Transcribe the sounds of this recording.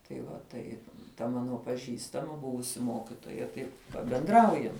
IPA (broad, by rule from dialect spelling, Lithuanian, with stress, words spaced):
tɐɪ ʋɐ ˈtɐɪp tɐ ˈmɑːnoː pɐˈʒʲiːstɐmɐ ˈbʊʋʊsʲɪ ˈmoːkʲɪtoːjɛ ˈtɐɪ pɐbʲɛnˈdrɐʊjɛm